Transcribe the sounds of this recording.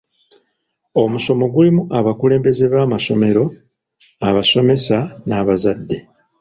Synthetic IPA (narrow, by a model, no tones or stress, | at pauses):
o̞muso̞mo̞ɡulimuaβakule̞ːmbe̞ze̞βaːmaso̞me̞ɾo̞ | aβaso̞me̞sanaːβazadːe̞